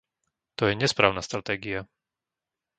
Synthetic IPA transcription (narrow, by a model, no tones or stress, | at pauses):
t̪ɔjɛɲɛspɾaːʊnast̪ɾat̪ɛːɡia